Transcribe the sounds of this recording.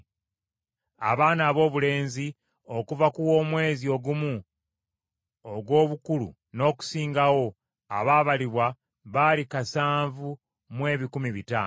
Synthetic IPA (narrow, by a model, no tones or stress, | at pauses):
a̰βaːnaːβo̞ːβule̞ːnzi | o̞kuvakuwo̞ːmwe̞ːzio̞ɡumu | oɡwo̞ːβukulṵ | no̞ːku̥siːŋɡawo̞ | a̰βaːβaliβwa | βalikasaːɱvu | mwe̞ːβikumiβitaːn